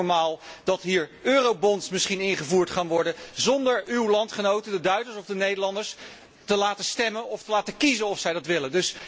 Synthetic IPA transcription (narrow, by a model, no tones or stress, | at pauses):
ɹmaːlˠd̥ɑtɦiːɹøːrowbɔntsmɪsχinɪnχəvuːɹtχaːnʋɔɹdəzɔndəɹywlɑntχənowtəndədœɥzəɹsɔvdənejdəɹlɑndəɹs | təlaːtəstɛmənɔftəlaːtəkizənɔfsɛjdɑtʋɪləndɵs